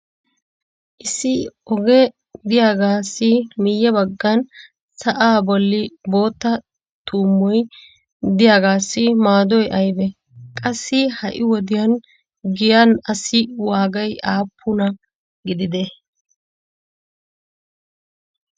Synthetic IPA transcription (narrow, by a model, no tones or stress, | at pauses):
ʔɪsɪɔɡɛ | d̪ɪjaːɡaːsːɪmɪjːɛbɐɡːɐn | sɐʔaːbɔlːɪbo̞ːt̪ːɐ | t̪uːmːɔj | d̪ɪjaːɡaːsːɪmaːd̪ɔjʔɐjbɛ | kʼɐsːɪhɐʔɪwɔd̪ɪjɐn | ɡɪjɐnɐsɪwaːɡɐjʔaːpʰːʊnɐ | ɡɪd̪ɪd̪ɛ